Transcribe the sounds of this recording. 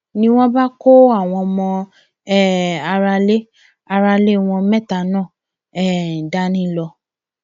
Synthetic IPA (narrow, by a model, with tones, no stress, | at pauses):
nĩ˦w̃ɔ̃˦ba˦ko˦a˦˨w̃ɔ̃˧mɔ̃˧ | ɛ˦˨a˧ɾa˧le˦ | a˧ɾa˧le˦˨w̃ɔ̃˧mɛ̃˦˨ta˨nãː˦˨ | ɛ˦˨da˦nĩ˦lɔ˧